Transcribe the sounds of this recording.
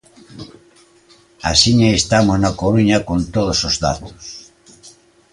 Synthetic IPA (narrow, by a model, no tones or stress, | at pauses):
a̰siɲaest̪amoznakoɾuɲakont̪oðosozða̰t̪o̥s